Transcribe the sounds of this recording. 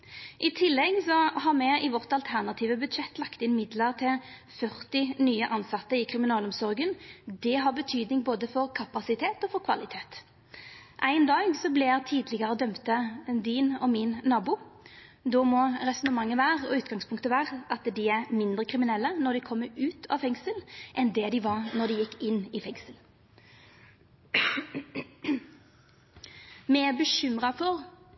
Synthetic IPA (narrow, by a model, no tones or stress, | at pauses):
ʔɪt̪ʰɪlːɛɡsɔɦɑʁmɛɪʋɔʁt̪ɑlt̪ʰæʁnɑt̪ʰiːʋəbʉd̪ʃɛt̪ːlɑkt̪ɪnɪmɪd̪ləʁt̪ʰɪlfœʁt̪ɪnyːəʔɑnsɑt̪ːəɪkʰʁɪmɪnɑːlɔmsɔʁɡənd̪ɛɦɑʁbət̪ʰyːd̪nɪŋboːd̪əfɔʁkʰɑpɑsɪt̪ʰeːt̪ɔfɔʁkʰʋɑ̰lɪt̪ʰeːt̪ | ʔæɪnd̪ɑːɡsɔblɪt̪ʰiːd̪lɪɡəʁəd̪œmt̪əd̪inɔmɪnːɑːbʊ | d̪omɔɾɛsɔnəmɑŋːəʋæːʁɔʉːt̪ɡɑŋspʰʊŋkt̪əʋæːʁʔɑt̪d̪ɪæʁmɪnd̪ɾʁəkʰɾɪmɪnɛlːənɔd̪ɪkʰɔmːəʉːt̪ʰɑ̰ʋfɛŋsəlʔɛnd̪ɛd̪ɪʋɑʁnɔd̪ɪjɪkːɪnːɪfɛŋsəl | mɛæbəʃʏmʁɑfɔʁ